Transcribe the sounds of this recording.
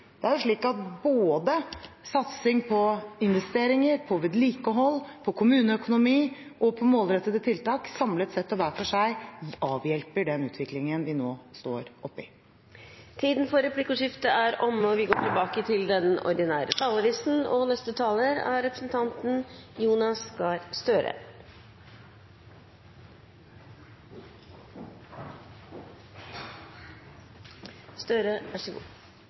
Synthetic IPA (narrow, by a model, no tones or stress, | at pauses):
d̪̥ɛæɾjʊʂɭiːkɑt̪̚boːd̪ə | sɑt̪sɪŋpʰɔɪnʋɛst̪eːɾɪŋəɾpʰɔʋɪd̪liːkəɦɔlːpʰɔkʰʊmʉːnəœkʊnʊmiː | ʔɔpʰɔmoːlɾɛt̪ːəd̪ət̪ʰɪlt̪ɑːksɑmləɛt̪sɛt̪ːɔʋæːfɔʂæɪɑːʋjɛlpəɖɛnʉːt̪ʰʋɪklɪŋənʋɪnoːst̪o̰ːɾɔpːɪ | t̪ʰiːd̪n̩fɔɾɛpʰlɪkɔʂɪft̪əæɾɔmːəɔʋɪɡoːʈʰɪlbɑːkət̪ʰɪld̪ɛnɔ̰ɾd̪ɪnæːɾʔə̰t̪ʰɑːləɾɪsn̩ɔ̰nɛst̪ət̪ʰɑːləɾæ̰ɾɛpɾəsnt̪ʰɑnt̪n̩juːnɑskɑːɾst̪øːɾʔə̰ | st̪øːɾəʋæʂəɡṵː